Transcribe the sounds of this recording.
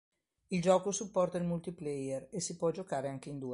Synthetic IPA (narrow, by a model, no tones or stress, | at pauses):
ild͡ʒɔːkosupːɔrt̪ailmult̪iplɛjeresipwɔd͡ʒokaːɾeaŋk̟eind̪uːe